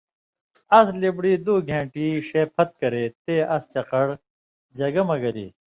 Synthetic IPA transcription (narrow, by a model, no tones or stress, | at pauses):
ɐslibɽiːd̪uːɡʱẽːɳʈiːɕeːpʰɐt̪̚kɐɾeːt̪eːɐst͡ɕɐqɐɽ | d͡ʑɐɡɐmɐɡɐlḭː